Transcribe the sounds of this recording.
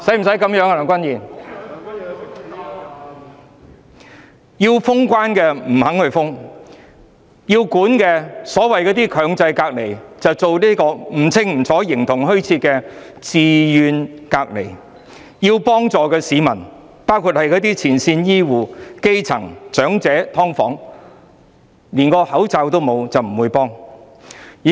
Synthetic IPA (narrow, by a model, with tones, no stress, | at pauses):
sɐ˨˥jm̩˨˩sɐ˨˥jkɐ˨˥mjœː˨˥ŋkɐ˧lɐ˨˩ŋkʷwɐ˥njiː˨˩n | ji˧wfʊ˥ŋkʷwaː˥nkɛː˧m̩˨˩hɐ˨˥ŋhɵ˧ɥfʊ˥ŋ | jiː˧wkuː˨˥nkɛː˧sɔː˨˥wɐ˨jkɔː˧˥t̪̬iː˥kʰœː˨˧ŋt͡sɐ˧jkaː˧k̚le˨˩jt͡sɐ˨wt͡so˨wliː˥kɔː˧m̩˨˩t͡sʰɪ˥ŋm̩˨˩t͡sʰɔː˨˥jɪ˨˩ŋt̪ʰʊ˨˩ŋɦɵ˥ɥt͡sʰiː˧t̚kɛː˧t͡siː˨jyː˨˧nkaː˧k̚le˨˩j | ji˧wpɔː˥ŋt͡sɔː˨˧kɛː˧siː˨˧˥mɐ˨˩n | paː˥wkʰu˧t̚hɐ˨jkɔː˨˥t̪̬iː˥t͡sʰiː˨˩nsiː˧njiː˥wuː˨˩ke˥jt͡sʰɐ˨˩ŋt͡ʃœː˨˥ŋt͡sɛː˨˥t̪ʰɔː˥ŋfɔː˨˥ŋ | liː˨˩nkɔː˧hɐ˨˥wt͡sa˨˧wt̪o˥wmo˨˧wt͡sɐ˨wm̩˨˩wuː˨˧jpɔː˥ŋ˨